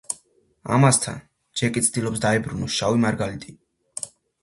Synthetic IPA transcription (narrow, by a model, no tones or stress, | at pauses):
a̰mast̪ʰa̰n | d͡ʒɛkʼit̪sʰd̪ilˠɔpsd̪aibɾunusʃavimaɾɡalit̪ʼi